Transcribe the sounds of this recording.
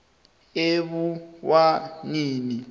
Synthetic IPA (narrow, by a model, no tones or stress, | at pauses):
eβuwaniːni